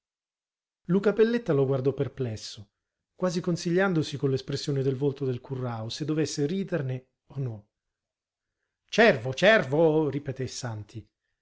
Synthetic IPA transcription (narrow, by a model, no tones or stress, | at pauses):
lukapelːet̪ːaloɡward̪ɔpːerplɛsːo | kwaːzikonsiʎːand̪osikolespɾesːjoːned̪elvolt̪od̪elkurːaosed̪ːovesːeɾiːd̪erne | onɔ | t͡ʃɛrvot͡ʃɛrvoɾipet̪esant̪ʰi